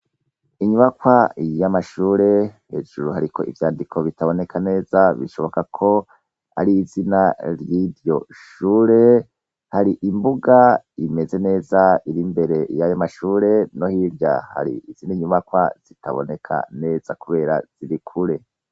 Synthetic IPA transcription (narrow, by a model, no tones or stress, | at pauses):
iɲuβakwajamaʃuːɾe̞he̞̰ːʒuɾuhaɾikʰo̞̰ʔivjaːndikʰo̞βitaβo̞ne̞kʰane̞ːzaβḭʃo̞βo̞kakʰo̞ | a̰ɾiːzinaɾjiɾjo̞ʃuːɾe̞ | haɾiʔimbuɡaime̞ze̞ne̞ːzaiɾimbe̞ɾe̞jajomaʃuːɾe̞no̞hiɾja̰ha̰ɾḭʔːz̥iniɲuβakwa̰z̥itʰa̰βo̞̰ne̞kʰa̰ne̞ːz̥akuβe̞ːɾa̰z̥iɾikʰuɾe̞